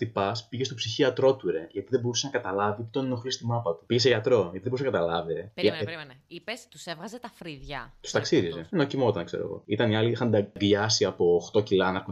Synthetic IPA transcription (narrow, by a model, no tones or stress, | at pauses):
t̪ipɐspiʝest̪opsiçiɐt̪ɾo̞t̪uɾe̞ʝɐt̪iðebousenɐkɐt̪ɐlɐvip̪t̪oninoxlist̪imɐpɐt̪u̥piʝeseʝɐt̪ɾo̞ʝɐt̪iðeboɾus̬nɐkɐt̪ɐlɐvie | ipest̪u̥sevɣɐzet̪ɐfɾiðʝɐt̪u̥st̪ɐksiɾizenocimo̞t̪ɐnkse̞ɾo̰ɣo̞̰it̪ɐniɐliixɐnd̪ɐɡʎɐsiɐpo̞ːxt̪o̞cilɐnɐku